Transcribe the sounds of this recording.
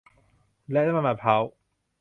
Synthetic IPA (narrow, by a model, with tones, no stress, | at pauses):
lɛ˧˨a˦ma˨˩ma˨˩pʰa˨˥w